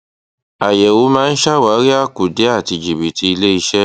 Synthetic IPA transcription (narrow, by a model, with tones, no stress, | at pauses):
a˨jɛ˨o˨˦mãː˦˧n̩˦ʃa˦wa˨˦ɾi˦a˦˨ku˨de˨˦a˦˨ti˧d͡ʒi˨bi˨tʰi˧i˧le˦i˧ʃɛ˦